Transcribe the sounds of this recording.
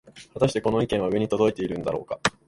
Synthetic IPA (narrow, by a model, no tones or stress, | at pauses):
βat̪aɕit̪e̞ko̞no̞ikẽ̞ɰ̃βaɯ̟βe̞ɲ̟it̪o̞d̪o̞it̪e̞iɾɯ̟̃nd̪a̰ɾo̞̰ːka